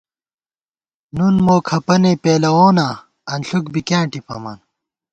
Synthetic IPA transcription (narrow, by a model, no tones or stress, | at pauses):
nunmoːkʰɐpɐneːpeːlɐwoːnaː | ɐnɬukbikjãːɳʈipɐ̰ma̰ːn